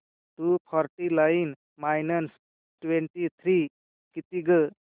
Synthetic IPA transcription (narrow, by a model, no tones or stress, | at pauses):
ʈupʰɔɾʈilajn | majnəns | ʈweɳʈit̪ʰɾi | kit̪iɡə